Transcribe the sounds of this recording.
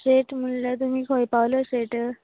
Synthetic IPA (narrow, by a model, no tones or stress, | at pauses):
ɕeʈm̤ullat̪̬um̤iːkʰojpaʋləɕeʈə